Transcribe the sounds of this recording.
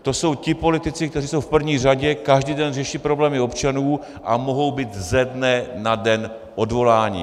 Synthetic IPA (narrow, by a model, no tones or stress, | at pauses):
t̪o̞so̞wcɪpo̞lɪt̪ɪt͡sɪk̚t̪ɛriːso̞wfpr̩vɲiːr̝aɟɛkaʒdiːdɛnrɛʃiːpɾo̞blɛːmɪo̞pt͡ʃanuː | ʔamo̞ɦo̞wbiːt̪zɛdnɛnadɛn | ʔo̞dvo̞laːɲɪ̰